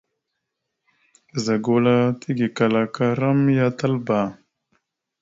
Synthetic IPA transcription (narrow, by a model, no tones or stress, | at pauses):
zɐɡolat̪iɡikɐlakaɾɐmjat̪ɐlba